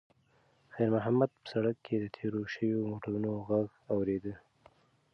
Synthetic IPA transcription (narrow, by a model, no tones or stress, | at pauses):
xajɾmʊɦamad̪̚pə̥saɽakːed̪ət̪ʰeɾoʃəwjomoʈaɾunoɣaɡ | awɾed̪ə